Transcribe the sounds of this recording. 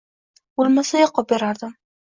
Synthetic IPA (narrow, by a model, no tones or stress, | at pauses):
bolˠmasajaqʰɒp̚beɾaɾd̪ɪm